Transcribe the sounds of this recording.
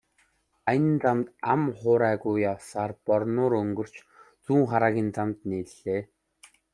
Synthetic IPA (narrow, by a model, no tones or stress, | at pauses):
ajɪ̆nt͡samt̪amχʊːɾæːɣujawsaːrpɔrnʊːɾɵŋɡɵ̆r̥t͡ɕ | t͡suːŋχaɾaːɣʲiːnt͡samt̪neːt̪ɮeː